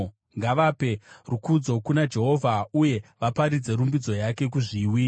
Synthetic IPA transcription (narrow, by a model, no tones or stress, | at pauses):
ŋɡaʋape̞rukud͡zo̞kunad͡ʒe̞ɦo̞vʱauje̞ʋapaɾid͡ze̞ɾumbid͡zo̞jake̞k̬uʐiwi